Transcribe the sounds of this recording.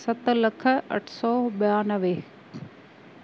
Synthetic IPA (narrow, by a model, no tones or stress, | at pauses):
sɐt̪ːlɐkʰəɐ̰ʈʰsɔːbjaːnəʋe